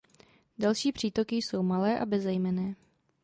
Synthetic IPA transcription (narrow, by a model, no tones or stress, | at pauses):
dalʃiːpr̝̥iːt̪o̞kɪjso̞wmalɛːʔabɛzɛjmɛnɛː